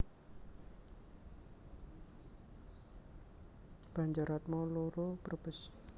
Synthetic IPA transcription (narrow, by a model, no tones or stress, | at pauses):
b̥aɲd͡ʒaɾat̪̚mɔloɾopərb̥əs